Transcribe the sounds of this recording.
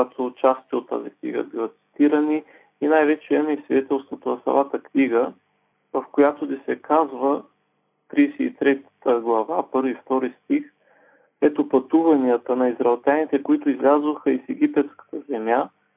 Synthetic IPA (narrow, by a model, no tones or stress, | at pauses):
at̪ʰot͡ʃast̪iot̪ːa̰ziknḭɡə̰bilat̪si̥t̪iɾəni | inajvɛt͡ʃɛɛmɛisvid̪ɛt̪ɛlˠst̪vot̪onɐsɐ̰mˠat̪əkniɡə | vɐfkojat̪od̪ɛsɛkazvə | t̪ɾisɛit̪ɾɛt̪t̪əɡlˠɐvapɤɾvift̪ɔɾist̪ix | ɛt̪opɐt̪uvɐniət̪ənɐizɾɐɛlˠt̪ʲjanit̪ɛkoit̪ʊizlʲazvoxəisɛɡ̟ipɛt̪skə̥t̪əzɛmja